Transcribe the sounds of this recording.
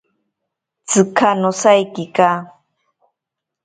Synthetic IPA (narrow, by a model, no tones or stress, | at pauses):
t͡sɨkʰanɔsaikika